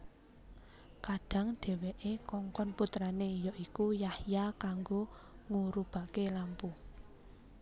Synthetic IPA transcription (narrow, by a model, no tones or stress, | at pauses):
kaɖ̥a̤ŋɖ̥ɛ̤weʔekɔŋkɔnput̪ɾanejɔʔikujahjakaŋɡo | ŋuɾub̥a̤kelampu